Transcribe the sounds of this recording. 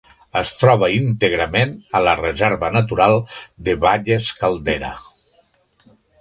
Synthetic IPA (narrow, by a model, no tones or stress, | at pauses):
əst̪ɾɔβ̞əint̪eɣɾəmenələrezɛɾβənət̪uɾalˠd̪əβaʎeskalˠd̪eɾə̰